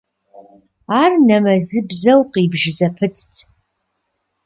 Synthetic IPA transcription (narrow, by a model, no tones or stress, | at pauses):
arnɐmɐzɨbzɐwqʼibʒzɐpʰɨtʰʼtʼʰ